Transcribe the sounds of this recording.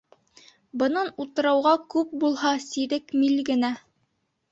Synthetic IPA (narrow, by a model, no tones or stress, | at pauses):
bɤ̆nɑnut̪ɤ̆ɾɑwʁɑkʉp̚bulˠhɑsiɾɘkmilɡɘ̆næ